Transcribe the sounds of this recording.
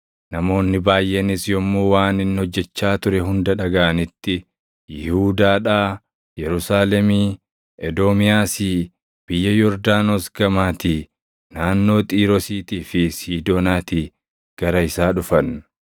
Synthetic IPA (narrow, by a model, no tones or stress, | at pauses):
nɐmo̞ːnːɪbaːjʔːɛnɪsjɔmːoːwaːnɪnːhɔd͡ʒːɛt͡ʃːaːt̪ʊɾɛɦʊnd̪ɐᶑɐɡɐʔɐnɪt̪ːɪ | jɪhuːd̪aːᶑaː | jɛɾʊsaːlɛmiː | ʔɛd̪oːmɪjaːsi | b̥ɪjːɐjɔɾd̪aːnosɡɐmaːt̪iː | naːnːo̞ːt̪ʼiːɾɔsiːt̪iːfɪsiːd̪oːnaːt̪iː | ɡ̥ɐɾɐɪsaːᶑʊfɐn